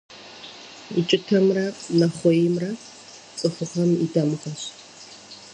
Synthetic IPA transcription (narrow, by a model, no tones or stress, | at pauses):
it͡ʃʼɪtʰɐmrɐnɐχʷɔjɪmrɐ | t͡sʼɨχʷʊχɐmidɐmɨχɐɕ